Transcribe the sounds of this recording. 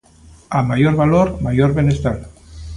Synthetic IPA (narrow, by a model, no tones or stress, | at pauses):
amajoɾβaloɾmajoɾβenest̪al